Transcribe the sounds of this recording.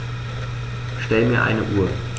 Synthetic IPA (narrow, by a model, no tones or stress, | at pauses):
ʃtɛləmiːɐʔa̰ɪnəʔuːɐ